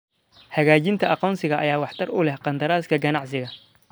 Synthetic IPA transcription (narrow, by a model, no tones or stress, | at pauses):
hɐɣaːt͡ʃɪnt̪ʰɐʔɑqɔːnsɪɣɐʔɐjaːwɑħt̪ʰɐrʊlɛhqɑnd̪ɐɾaːskʰɐɡɐnɑʕsɪɣɐ